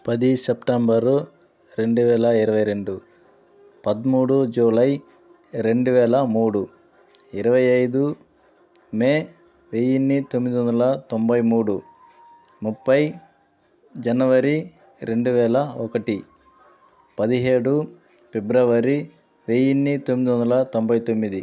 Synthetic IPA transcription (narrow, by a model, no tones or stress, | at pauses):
pɐd̪isepʈɐmbɐɾu | ɾe̞ɳɖuʋɛːlɐiɾɐʋɐjɾe̞ɳɖu | pɐd̪muːɽud͡ʒuːlɐj | ɾe̞ɳɖuʋɛːlɐmuːɽu | iɾɐʋɐjɐjd̪u | meː | ʋeːjinːit̪omːid̪iʋɐnd̪ɐlɐt̪o̞mbʱɐjmuːɽu | mupːɐj | d͡ʒɐnɐʋɐɾi | ɾe̞ɳɖuʋɛːlɐɔkɐʈi | pɐd̪iɦe̞ːɽu | pebɾɐʋɐɾi | ʋeːjinːit̪omːid̪iʋnd̪ɐlɐt̪o̞mbʱɐjt̪o̞mːid̪i